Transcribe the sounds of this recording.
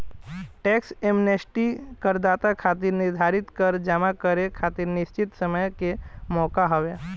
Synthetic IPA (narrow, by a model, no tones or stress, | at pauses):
ʈɛːksemnesʈikəɾd̪aːt̪akʰaːt̪iɾnɪɾd̪ʱaːɾɪt̪kəɾd͡ʒamakəɾekʰaːt̪iɾnɪst͡ʃɪt̪səməjkemɔːkaɦoʋe